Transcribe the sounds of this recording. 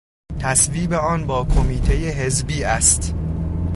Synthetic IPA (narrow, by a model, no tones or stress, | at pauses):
t̪ʰæsviːbeɒːnbɒːkʰomiːt̪ʰe̞jeɦe̞zbiːæst̪